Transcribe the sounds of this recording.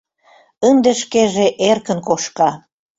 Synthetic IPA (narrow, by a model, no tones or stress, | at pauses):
ənd̪eʃkeʒeʔerkənkoʃkɑ